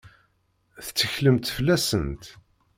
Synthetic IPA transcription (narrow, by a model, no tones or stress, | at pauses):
θt͡sːəçləmt̪flːæsənt̪